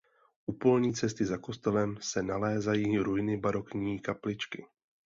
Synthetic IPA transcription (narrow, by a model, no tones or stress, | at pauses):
ʔupo̞lɲiːt͡sɛst̪ɪzako̞st̪ɛlɛmsɛnalɛːzajiːɾujɪnɪbaɾo̞kɲiːkaplɪt͡ʃkɪ